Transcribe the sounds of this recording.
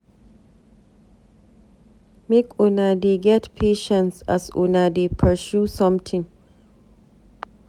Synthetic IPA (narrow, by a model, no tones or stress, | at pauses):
mekʊnadeɡɛtpʰeːʃɛ̃nsa̰sʊ̰nadepʰə˞susʌ̃mtʰɪ̃ŋ